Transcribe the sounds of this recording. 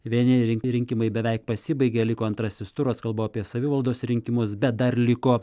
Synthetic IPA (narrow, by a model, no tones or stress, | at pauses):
ʋʲiɛnʲɪɾʲɪŋʲɾʲɪŋʲkʲɪmɐɪbʲɛʋʲɛɪk̚pɐsʲɪbɐɪɡʲeːlʲɪkoːɐnt̪ɾɐsʲɪst̪ʊɾoskɐlˠboːɐpʲiɛsɐʋʲiːʋɐlˠd̪oːsɾʲɪŋʲkʲɪmʊsbʲɛt̪̚d̪ɐɾlʲɪkoː